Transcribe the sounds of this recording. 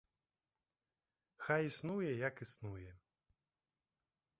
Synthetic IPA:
xajisnujɛjakisnujɛ

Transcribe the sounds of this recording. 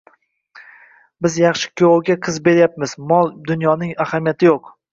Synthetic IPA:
bɪzjɑχʃɪ̥kʲʰooɡʲaqʰɨzbe̞ɾjap̚mɪz̥mɒlˠd̪ʊnjɒnɪŋahamijat̪ʰɪjoq

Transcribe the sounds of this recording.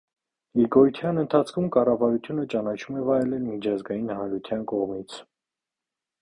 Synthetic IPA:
ɡiɡɔjt̪ʰjɑnənt̪ʰɑt͡sʰkʰumkɑrɑvɑɾut̪ʰjunət͡ʃɑnɑt͡ʃʰumɛvɑɾɛlɛlmit͡ʃʰɑzɡɑjinhɑnɾut̪ʰjɑnkɔʁmit͡sʰ

